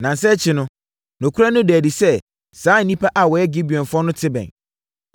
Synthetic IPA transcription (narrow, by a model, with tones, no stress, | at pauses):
nã˨n̩˨sɛ˦t͡ɕʰɪ˨˦nʊ̃˦ | nʊ̃˨kʰu˦ɾa˦nʊ̃˦dɛ˨di˨sɛ˦ | saː˨˦n̩˨nĩ˦pʰa˦ʔa˨wɔ˨jɛ˦ɡi˦bi˨ɔ̃˨nfʊ˦ɔ˦nʊ̃˦tʰɪ˦bɛ̰̃˨n